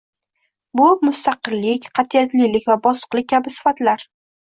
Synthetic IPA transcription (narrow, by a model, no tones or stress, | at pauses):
bʊmʊst̪aqɨlːɪkʲqʰɑt̪ʰijat̪lilɪkʲvabɒsə̥qlˠɪk̚ʲːʰabɪsɪ̥fat̪laɾ